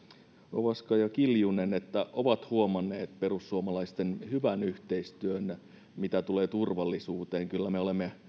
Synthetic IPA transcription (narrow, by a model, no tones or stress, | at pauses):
o̰ʋɑskɑjɑkiljunenet̪ːæʔoʋɑt̪huomɑnːˑeːt̪pe̞rusːuomɑlɑist̪enhyʋænyht̪eist̪yøn | mit̪æt̪uleːt̪urʋɑlːisuːt̪eːŋkylːæmeolemːe